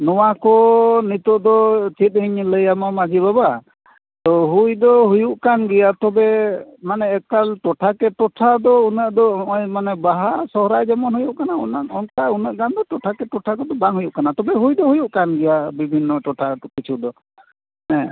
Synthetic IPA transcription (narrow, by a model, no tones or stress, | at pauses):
nɔwakɔnit̪ɔʔd̪ɔt͡ʃit̪̚hiɲləjamamad͡ʒibaba | t̪ɔɦujd̪ɔɦujuʔkanɡɛjat̪ɔbɛmanɛɛkalʈɔʈʰakɛʈɔʈʰad̪ɔunəʔd̪ɔɔjmanɛbaɦasɔɦɾajd͡ʒɛmɔnɦujuʔkanaɔnaʔɔnkaunəʔɡand̪ɔʈɔʈʰakɛʈɔʈʰakɔd̪ɔbaŋɦujuʔkanat̪ɔbɛɦujd̪ɔɦujuʔkanɡɛjabibʱinːɔʈɔʈʰakit͡ʃʰuʔd̪ɔ | nɛ̃